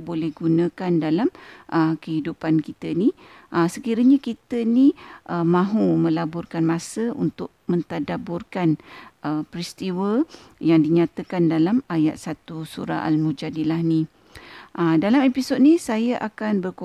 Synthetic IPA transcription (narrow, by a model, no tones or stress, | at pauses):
bolɛhɡunə̃kandalamʔəkəɦidupankit̪əniʔəsəkiɾəɲakit̪əniʔəmãɦumə̃labʊrkanmãsəʔṵnt̪ʊʔ̚mə̃nt̪adabʊrkanʔəpɾist̪iwəjaŋdiɲãt̪əkandalamaja̰t̪̚sat̪usuɾa̰a̰lmud͡ʒadilahnĩ | ʔədalamepisod̚nisajəʔakanbərko